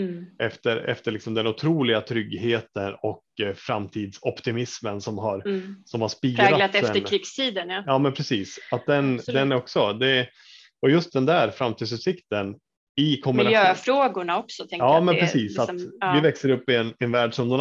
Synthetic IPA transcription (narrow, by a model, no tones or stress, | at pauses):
ʔɛft̪əɾɛ̰ft̪əɭɪksɔmd̪ɛnʊt̪ʰɾuːlɪɡat̪ʰɾʏɡheːt̪ənɔkfɾamt̪ʰiːd̪sɔpt̪ɪmɪsmənsɔmɦaɾsɔmhaʂpiːɾɾɡalat̪ɛft̪əɾɪkst̪ʰiːd̪ənjɑːmɛnpʰɾɛsiːsat̪̚d̪ɛnd̪ɛnɾɔksɔd̪ɛ | ɔjɵst̪̚d̪ɛnd̪æːɾfɾamt̪id̪sʉːt̪sɪkt̪ən | ɪkʰɔmɪnlajøːfɾoːɡʊɳaɔksɔt̪ʰɛŋɑːmɛnpɾɛsiːsat̪ːvɪvɛksəɾɵpːɪɛnɛnvæːɖʂɔmd̪ɛn